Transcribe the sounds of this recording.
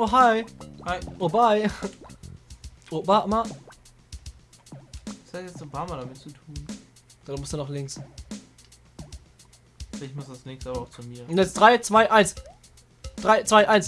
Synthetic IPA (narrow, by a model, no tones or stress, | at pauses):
oɦaɪhaobaɪ | obaʔma | shatjɛt͡sonpʰaːɐmaːldamɪtt͡sutʰuːn | d̥aːdmʊsd̥unɔχlɪŋs | ɛɪçmʊsd̥asnɛːkstəʔaːbɐʊxt͡sumiːɐnɛsd̥ʁaɪt͡sv̥aɪʔaɪns | d̥ʁaɪt͡sv̥aɪʔaɪns